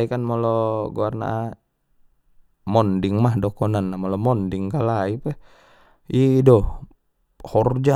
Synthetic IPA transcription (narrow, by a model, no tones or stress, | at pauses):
ikanmolɔɡuarna̰ | mɔndiŋmahdokɔnanːamɔlɔmɔndiŋkalaipɛ | idɔ | hɔrd͡ʒa